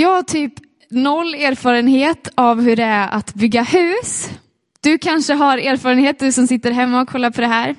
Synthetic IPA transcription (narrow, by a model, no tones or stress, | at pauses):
jɑːhaʈʰyːp | nɔlːeːɾfɑːɾənɦeːt̪avɦɵɖɛæɾʔa̰t̪bʏɡːahʉ̟ːs | d̪̥ɵkʰanʂəɦaɾeːɾfɑːɾənheːt̪̚d̪ɵsɔmsɪt̪ːəɾɦɛmːaɔkʰɔlːaɾpʰɔd̪ɛɦæːɾ